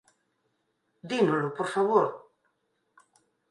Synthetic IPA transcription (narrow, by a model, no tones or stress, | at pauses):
d̪inolopoɾfaβoɾ